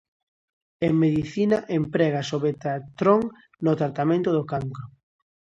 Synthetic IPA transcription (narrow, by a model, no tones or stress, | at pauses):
eŋmeðiθinaʔempɾɛɣasoβet̪at̪ɾoŋ | not̪ɾat̪amẽnt̪ʊðokaŋkɾo